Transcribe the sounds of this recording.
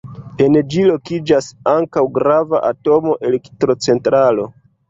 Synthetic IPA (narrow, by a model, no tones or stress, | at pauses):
e̞nd͡ʒilo̞kid͡ʒasaŋkawɡɾava̰ʔato̞mo̞ʔe̞lektɾo̞t͡se̞ntɾalo̞